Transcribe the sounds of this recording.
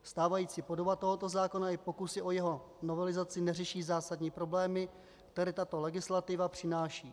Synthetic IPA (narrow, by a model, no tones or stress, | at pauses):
st̪aːvajiːt͡sipo̞do̞bat̪o̞ɦo̞t̪o̞zaːko̞naɪpo̞kusɪʔo̞jɛɦo̞ | no̞vɛlɪzat͡sɪnɛr̝ɛʃiːzaːsadɲiːpɾo̞blɛːmɪ | kt̪ɛɾɛːt̪at̪o̞lɛɡɪslat̪ɪvapr̝̥ɪnaːʃiː